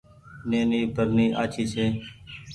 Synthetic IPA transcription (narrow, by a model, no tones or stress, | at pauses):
neːniːbʱəɾniːʔaːt͡ʃʰiːt͡ʃʰeː